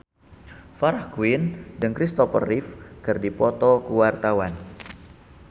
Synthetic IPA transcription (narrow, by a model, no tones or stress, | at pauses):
faɾahkuɪndəŋkɾist̪ɔpə̰rɪfkərdipɔt̪ɔkuwart̪awan